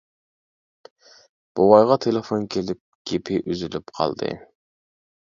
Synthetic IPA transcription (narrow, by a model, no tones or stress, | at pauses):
b̥owɑjʁɑt̪ʰelˠefonkʲʰelɪp̚ɡ̥ʲepʰɪʔyzylypqʰɑ̰lˠd̪ɨ̰